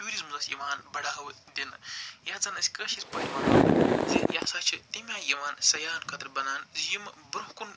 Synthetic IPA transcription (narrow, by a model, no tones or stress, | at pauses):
t̪ʲjuːɾizmzɐsʲjiʋaːnbɐɽaːʋɨ | d̪ʲinɨjɐd͡zɐnɐsʲkəɐʃispɐjʋaːnɐnɨzijasaːt͡ʃʰit̪imʲaːjiʋaːnsɐjaːnkɐt̪ɾbɐnaːnzjimbɾuɦkun